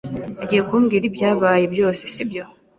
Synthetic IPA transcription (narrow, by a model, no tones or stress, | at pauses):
aɟijekuːŋɡiɾibjaːβaːjebjo̞ːsi̥sibjo̞